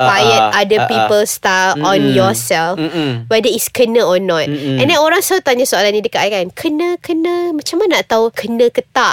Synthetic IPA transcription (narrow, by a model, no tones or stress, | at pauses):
ajət̪̚adəpipəlst̪aɔ̃njɔsɛlfwɛdəiskənə̃ɔnɔt̚ɛ̃ndɛnoɾaŋsawt̪aɲasoalanːĩdəkaʔkankʰənə̃kənə̃mat͡ʃamãnːaʔt̪aukʰənə̃kət̪aʔ